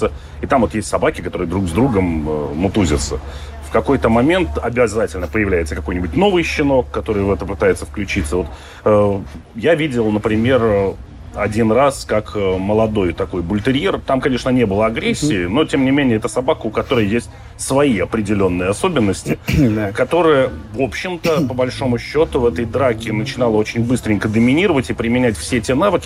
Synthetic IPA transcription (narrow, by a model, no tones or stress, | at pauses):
t̪sə | it̪amvojesʲtʲsɐbakʲɪkɐt̪o̞ɾɨjəd̪ɾuɡzd̪ɾuɡəməːʊt̪uzʲɪt̪sə | fkɐko̞jt̪əmɐmʲe̞nt̪ɐbʲɪzatʲɪlʲnəpəjɪvlʲæjɪt̪səkɐko̞jnʲɪbʊtʲno̞vɨjɕːɪno̞kːɐt̪o̞ɾɨjəvɛt̪əpɨt̪ajɪt̪səfklʲʉt͡ɕit̪səvo̞t̪ | əjavʲidʲɪlˠnəpɾʲɪmʲe̞rə | ɐdʲinraskakəməlˠɐd̪o̞jt̪ɐko̞jbʊlʲt̪ɪɾʲjert̪amkɐnʲe̞ʂnənʲe̞bɨlˠəɐɡɾʲesʲːɪːno̞tʲemnʲɪmʲenʲɪjəɛt̪əsɐbakəʊkɐt̪o̞ɾəjəjesʲt̚ʲ | svɐiɐpɾʲɪdʲɪlʲo̞nːɨjəɐso̞bʲɪnːəsʲtʲɪkɐt̪o̞ɾɨjəvo̞pɕːɪmt̪əpəbɐlʲʂo̞mʊɕːo̞t̪ʊvɛt̪əjd̪ɾakʲɪnət͡ɕɪn̪alˠəot͡ɕɪnʲbɨst̪ɾʲɪŋʲkəd̪əmʲɪnʲiɾəvətʲɪpɾʲɪmʲɪnʲætʲfsʲetʲenavɨkʲɪ